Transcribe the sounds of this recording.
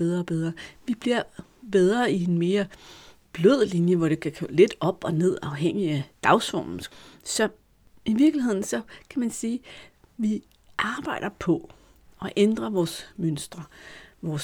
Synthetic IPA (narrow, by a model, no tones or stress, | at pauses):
b̥eð̞ˠʁɐːb̥eð̞ˠɐʋib̥liɐ̰ | b̥eð̞ˠʁɐienme̝ːɐ | b̥løð̞̰ˠlinjəʋɒɾ̥e̝kʰækʰœ̰le̝d̥ɒ̽b̥ɒ̽ne̝ð̞̰ˠɑ̈ʊɦeŋ̰iæd̥ɑ̈ʊsɒ̰̥ːn̩sɒ̽ | iʋiɐɡ̥lihe̝ð̰ˠn̩sɒ̽kʰæmænsiː | ʋi | ʔɑ̈ːb̥ɑ̈ɪ̰ɾ̥ɐpʰɒ̽ | ɒ̽ʔend̥ʁɐʋɒːsmønsd̥ʁɐʋɒːs